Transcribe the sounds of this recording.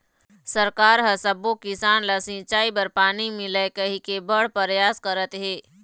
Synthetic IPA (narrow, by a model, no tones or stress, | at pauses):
səɾkaːɾɦɐsəbokɪsaːnlasĩt͡ʃaːibəɾpaːnimɪləkəɦikebəɽpəɾjaːskəɾət̪ɦeː